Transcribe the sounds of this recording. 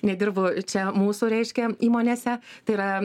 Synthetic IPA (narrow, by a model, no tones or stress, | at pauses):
nʲɛd̪ʲɪrbʊt͡ʃʲɛmuːsʊɾʲɛɪʃʲkʲɛiːmoːnʲeːsʲɛt̪ɐɪiɾɐ